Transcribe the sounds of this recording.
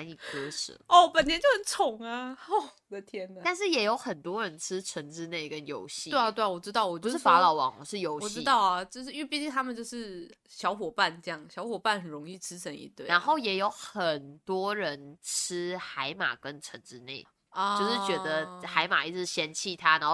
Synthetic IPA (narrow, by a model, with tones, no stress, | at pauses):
a˧˥ni˨˩kɤ˥ʂ̩˨˩˦ɔ˥˩pə˨˩nt̪ʰjɛ˧˥nt͡ɕjo˥˩ʊhə˨˦nt͡sʰʊ˨˩˦ŋa˧o˥˩ | d̪ə˧t̪ʰjɛ˥nə˧t̪a˥˧nʂɻ̩˥˩jɛ˨˩jo˧˥ʊxə˨˩nt̪wɔ˥ɻə˧˦nʈ͡ʂʰɻ̩˥ʈ͡ʂʰə˧˥nʈ͡ʂɻ̩˥ne˥˩ɪkə˦˥njo˧˥ʊɕi˥we˥˩a˧t̪we˥˩ɪwɔ˨˩ʈ͡ʂɻ̩˥t̪ɑ˥˩ʊwɔ˨˩t͡ɕu˧˥ʂɻ̩˥˩fa˧˥lɑ˨˥ʊwɑ̰˨˦ŋɔ˨˩ʂɻ̩˥˩jo˧˥ʊwɔ˨˩ɻ̩˥˩˥t̪ɑ˥˩ʊɐ˩t͡ɕjo˥˧ʊʂɻ̩˥˧y˥˧pi˥˧i˥˧ŋt̪ʰa˥mə˨nt͡ɕjo˥˧ʊʂɻ̩˥˩ | ɕjɑ˧˥ʊxwɔ˨˩pa˥˨nʈ͡ʂɤ˥˧jɑ˥˩ŋɕjɑ˧˥ʊxwɔ˨˩pa˥˩nhə˨˩nɻʊ˧˥ŋi˥˩ʈ͡ʂʰɻ̩˥t͡sʰə˧˥ŋḭ˨˩t̪we˥˩a˨˧˦nxo˥˩ʊjɛ˨˩jo˧˥ʊxə˨˩nt̪wɔ˥ɻə˧˦nʈ͡ʂ̩ʰ˥xa˧˥ɪma̰˨˩kə˦˥nʈ͡ʂʰə˧˥˦nʈ͡ʂɻ̩˥ne˥˩ɪ | ɔt͡ɕo˥˧ʊʂɻ̩˥t͡ɕɥɛ˧˥d̪ə˧xa˧˥ɪma̰˨˩i˥˩t͡s̩ʰ˨˩ɕjɛ˥nt͡ɕʰi˥˧t̪ʰa˦˥na˧˦xo˥˩